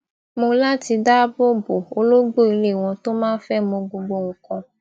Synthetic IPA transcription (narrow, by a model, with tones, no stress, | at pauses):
mõ˧la˦ti˧da˦bo˦bo˨o˨˦lo˦ɡ͡bo˦˨i˧le˦˨w̃ɔ̃˧to˦mãː˦fɛ˦mõ˧ɡ͡bo˧ɡ͡bo˧ŋ̩˨kɔ̃˧